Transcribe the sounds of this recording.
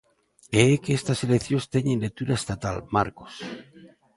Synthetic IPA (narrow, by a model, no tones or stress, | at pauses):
eekeest̪aselekθjost̪eɲenlek̚t̪uɾaest̪at̪alma̰ɾko̥s